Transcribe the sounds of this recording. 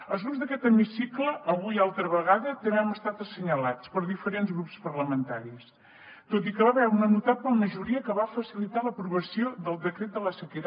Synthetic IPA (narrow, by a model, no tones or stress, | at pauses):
əlˠzɣunzðəkɛt̪əmisikləʔːβuialˠt̪ɾəβəɣaðət̪ənɛməst̪at̪əsəɲəlat͡spəɾðifəɾenzɣɾupspəɾləmənt̪aɾis | t̪ot̪̬ikəβaβɛunənut̪apəməʒuɾiəkəβafəsilit̪aləpɾuβəsioðəlˠd̪əkɾet̪̚d̪ələsəkit